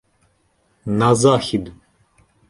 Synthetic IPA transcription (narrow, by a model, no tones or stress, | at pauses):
nazaːxid̪u